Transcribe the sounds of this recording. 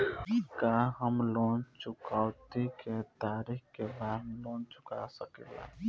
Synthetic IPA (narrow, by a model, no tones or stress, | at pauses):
kaɦəmlont͡ʃukaʊt̪iket̪aɾikkebad̪ɦlont͡ʃukasəkela̰